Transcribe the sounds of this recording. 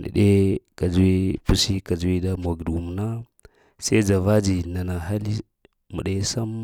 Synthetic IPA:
nḭ˨ɗe˦ka˨d͡ʒwi˦pu˦si˦ka˨d͡ʒwi˦da˦m˨a˨ɡdu˨m˨na˦ | se˦d͡ʒa˨va˦d͡ʒi˨na˨na˨ɦa˦li˦ | mṵ˨ɗe˦sa˦m

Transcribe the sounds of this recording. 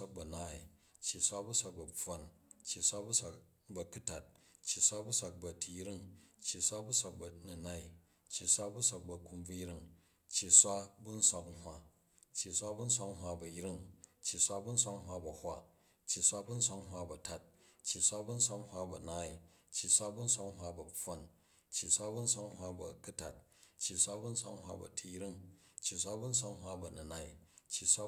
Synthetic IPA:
a˦k̚bɐ˨naː˦i˨ | t͡ʃːi˨sʷa˦bu˦sʷa˨k̚bɐ˨b͡vo˦nt͡ʃːi˨sʷa˦bu˦sʷa˨k̚ | bɐ˨ku˦ta˨t̚ | t͡ʃːi˨sʷa˦bu˦sʷa˨k̚bɐ˨tʰi˨˦ɾi˦˨ŋt͡ʃːi˨sʷa˦bu˦sʷa˨k̚bɐ˨nu˨na˦i˨ | t͡ʃːi˨sʷa˦bu˦sʷa˨k̚bɐ˨ku˧mb͡vu˦ji˦ɾi˦ŋ | t͡ʃːi˨sʷa˦bu˦n̩˦sʷa˧kŋ̩˦ɦʷwa˦ | t͡ʃːi˨sʷa˦bu˦n̩˦sʷa˦kŋ̩˦ɦwa˦bɐ˨jɾi˦ŋt͡ʃːi˨sʷa˦bu˦n̩˦sʷa˦k̩˦ɦwa˧bɐ˨hʷa˦ | t͡ʃːi˨sʷa˦bu˦n̩˦sʷa˧kŋ̩˦ɦwa˦bɐ˨ta˦t̚ | t͡ʃːi˨sʷa˦bu˦n̩˦sʷa˦k̩˦hwa˦bɐ˨naː˦i˨ | t͡ʃːi˨sʷa˦bu˦n̩˦sʷa˦k̩˦ɦwa˦bɐ˨ɸo˦n | t͡ʃːi˨sʷa˦bu˦n̩˦sʷa˦k̩˦hʷwa˦bɐ̰˨ku˦ta˨t̚t͡ʃːi˨sʷa˦bu˦n̩˦sʷa̰˦kŋ̩˦hʷwa̰˧bɐ̰˨tʰi˦jɾi˦ŋt͡ʃːi˨sʷa˦bu˦n̩˦sʷa˦kŋ̩˦hwa˦bɐ˨nɐ˨na˦˨i˨t͡ʃːi˨sʷwa˦

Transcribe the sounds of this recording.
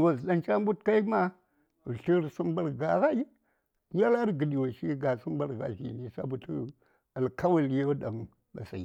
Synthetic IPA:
wa˨zɗa˦nt͡ʃa˦mbu˦tka˦i˦ma˦˨ | ɬi˦ɾsu˦mba˦˨ɾɡa˨ɣa˦i˦ | ja˦la˦ɾɡə˨ɗi˨wa˨ʃi˦ɡa˨su˦mba˨ɾɡa̰˨ɬḭ˨ni˦sa̰˦bu˨tu˦ | a˨lka˦wa˨ljo˦ɗa˨n | ɓa̰˨sa̰˨

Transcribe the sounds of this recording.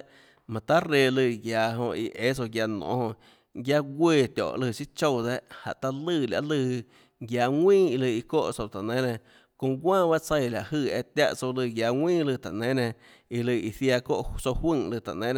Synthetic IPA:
mã˨t̪a˦ɾe˧lɨ˧˨ɡjaː˨˧ɦõ˧ʔi˧ʔe˦t͡so˧ɡja˧nõ̰˧˨˦hõ˧ | ɡja˧ɡʷeː˧˨t̪ʲɔ̰˨ʔlɨ˧˨ʃi˦t͡ʃo˦˧˨d̪e˦ʔha̰˨ʔt̪a˧lɨ˧˨la̰˧ʔlɨ˧ | ɡja˧ŋʷĩː˦i˧lɨ˧i˧ko̰˦ʔso˧wt̪a˨nẽ˨˦nẽ˧˨ | kõ˧ɡʷãː˦ba˦ʔt͡sə˧jla˨ʔhɨ˧˨e˧t̪ʲja̰˦ʔt͡so˧wlɨ˧ɡja˧ŋʷwĩː˦lɨ˧˨t̪a̰˨nẽ˨˦nẽ˧ | i˧lɨ˧˨i˧˨θja˧ko̰˦ʔso˧whwɨ̃˦˧ŋlɨ˧t̪a̰˨ʔnẽ˦n˧

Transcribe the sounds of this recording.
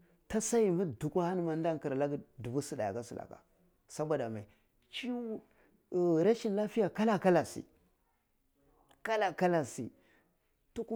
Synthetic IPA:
ta˦sa˦ji˨ma˦du˨kʷa˦ha˦n˦ma˨n˦da˦ŋki˨ɾla˦ɡdu˨bu˦si˨ɗa˨ja̰˨ka˦si˨la̰˨ka̰˨ | sa˦bʷa˨da˨ma˨i˨ | t͡ʃi˦˨ | ɾa˦ʃi˦nla˦fi˦ja˨ka˦la˦˨ka˦la˨sḭ˨ | ka˦la˨ka˦la˨si˨ | tu˦ku˦

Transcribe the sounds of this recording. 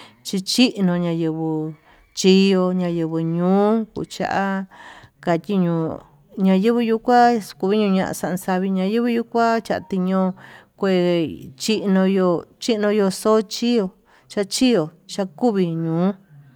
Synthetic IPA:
t͡ʃi˧t͡ʃi˦ʔnõ˧ɲã˧jɨ˧βɨ˧ | t͡ʃi˦jo˧ɲã˧jɨ˧βɨ˧ɲũː˨˦kṵ˧˨t͡ʃa̰˧ʔa˦ | ka˧t̪ʲi˦ɲũː˧ | ɲã˧jɨ˦βɨ˧ju˧kʷa˦ku˧βi˦ɲũ˧ɲã˧ʔã̰˧sa˧ʔnsa˧βi˧ɲã˧jɨ˦βɨ˧ju˧kʷa˦t͡ʃa˧ʔt̪i˧ɲõ˧kʷe˧˨t͡ʃi˦ʔnõ˧jo˧t͡ʃi˦ʔnõ˧jo˧so˦t͡ʃi˦jo˧ | t͡ʃa˧ʔt͡ʃi˦jo˨t͡ʃa˧ku˦βi˧ɲũː˨˦

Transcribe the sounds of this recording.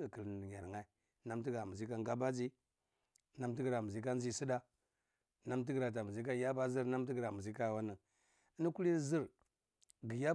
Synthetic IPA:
kə˨lɲa˨ɾŋa˦i˨˦ | na˦mt̬i˦ɡɾa˨mu˨zi˦ka˦ŋɡa˦ba˦d͡zi˦ | na˦mt̬i˦ɡɾa˨mu˨zi˦ka˦n˦i˦˨si˦da˦ | na˦mt̬i˦ɡɾa˨t̬a˨mu˨zi˦ka˦ja˦ba˦zi˦ɾna˦m˦t̬i˦ɡɾa˨mu˨zi˦ka˦jwa˦nə˨˦ | ni˦ku˦li˦zi˦ɾ | ɡi˨ja˦

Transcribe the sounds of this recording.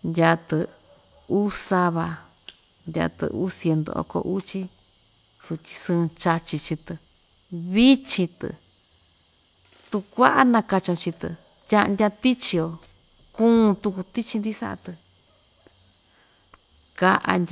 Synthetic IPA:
njʲa˧t̪ɨ˧ | u˦sa˧βa˧ | ndʲa̰˧t̪ɨ̰˧˨ʔu˦sje˧nd̪o̰˧o̰˧ko̰˧ʔu˦t͡ʃi˦ | su˧t̪ʲi̥˧sɨ̃ː˧t͡ʃa˧t͡ʃi˧t͡ʃi˧t̪ɨ˧ | βi˦t͡ʃĩ˧t̪ɨ̰˧˨ | t̪u˧kʷa˦ʔa˦nã˧ka˧t͡ʃã˧t͡ʃi˧t̪ɨ̰˧ | tʲã˧ʔndʲa˧t̪i˦t͡ʃi˧o˧ | kũː˦˧t̪u˧ku˧t̪i˦t͡ʃi˧nd̪i˦sa̰˦ʔa̰˧t̪ɨ˧ | ka˧ʔa̰˧nʲ

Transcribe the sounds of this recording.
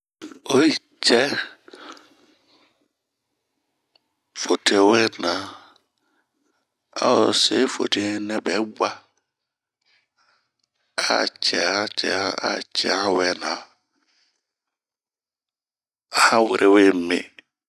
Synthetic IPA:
o˦i˦ | t͡ʃɛ˦ | fo˨tʰe˨wɛ˦nã˨ | a̰˦o˨se˦fo̰˨tʰe˨˦nɛ̃˦bɛ˨˦ɡ͡ba˦ | a̰˦˨t͡ʃʰɛ˨a˦t͡ʃʰɛ̰˨a˦a̰˨t͡ʃʰɛ̰˨ha˦wɛ˦nã˨ | a˨hã˦wɪ˨ɾʔe˦we˦˨˦mḛ̃˨

